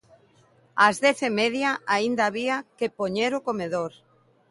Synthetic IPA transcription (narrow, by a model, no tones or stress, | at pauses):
azðɛθemɛðjaaind̪aːβiakepoɲeɾokomeðoɾ